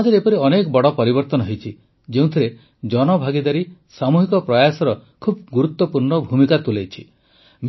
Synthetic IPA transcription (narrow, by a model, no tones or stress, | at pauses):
d̪ʱiɾepɔɾiɔnekɔbɔɽɔpɔɾibɔɾt̪ɔnɔɦejt͡ʃʰi | d͡ʒeũt̪ʰiɾe | d͡ʒɔnɔbʱaɡid̪aɾisamuɦikɔpɾɔjasɔɾɔkʰub̚ɡuɾut̪ːɔpuɾɳɔbʱumikat̪ulejt͡ʃʰḭ | m